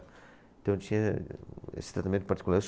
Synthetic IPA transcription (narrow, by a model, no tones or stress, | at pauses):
nt̪ɐ̃w̃t̪iɲɐ | ḛst̪ɾɐt̪ɐmẽnt̪upɐɾt̪i̥kulaɾs